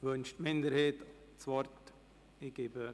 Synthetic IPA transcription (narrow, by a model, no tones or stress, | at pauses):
ʋønʃtmɪnd̪əɾheːt̪ | t͡sʋɔɾt̪ | iɡeːbə